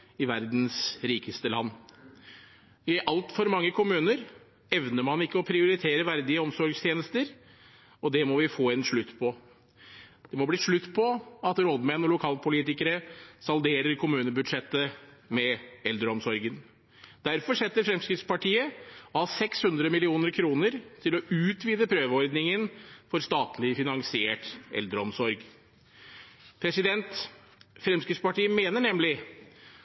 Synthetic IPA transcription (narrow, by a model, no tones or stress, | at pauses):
ɪʋæɾd̪nsɾiːkəst̪əlɑnː | ɪʔɑlt̪fɔɾmɑŋːəkʰʊmʉːnəɾ | ɛʋnəmɑnɪkːəɔpʰɾɪʊɾɪt̪ʰeːɾəʋæɾd̪ɪəɔmsɔɾɡst̪ʰjeːnəst̪əɾ | ɔd̪ɛmɔʋɪfoːɛnʂɭʉt̪ːpʰɔ | d̪̥ɛmɔbliːʂɭʉt̪ːpʰɔɑt̪ɾɔd̪mɛnɔlʊkʰɑːlpʰʊliːt̪ɪkəɾəsɑld̪eːɾəɾkʰʊmʉːnəbʉd̪ʂɛt̪ːəmɛɛld̪ɾəɔmsɔɾɡən | d̪̥æɾfɔʂɛt̪ːəɾfɾɛmskɾɪt̪spɑʈʰiːəɔhɑːsɛkshʉnd̪ɾəmɪlɪuːnəɾkʰɾuːnəɾt̪ʰɪlɔʉːt̪ʰʋiːd̪əpʰɾøːʋəɔɾd̪nɪŋənfɔɾst̪ɑːt̪ʰlɪfɪnɑŋsɪeːʈʔɛ̰ld̪ɾəɔmsɔɾɡ | pʰɾɛsɪd̪ɛnt̪ | fɾɛmskɾɪt̪spɑʈiːəmeːnəɳɛmlɪ